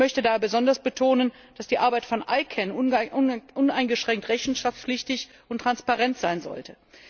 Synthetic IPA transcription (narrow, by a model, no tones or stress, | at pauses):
mœçtədaːbəzɔndɐsb̥ətʰoːnən | d̥asd̥iːʔaɐbaɪtfɔnʔa̰ɪkʰɛn | ʔʊnaɪnɡəʃʁ̥ɛŋk̚tʁɛçn̩ʃaft͡sflɪçtɪç | ʊntːʁ̥anspaʁɛntz̥aɪnzɔ̰ltʰə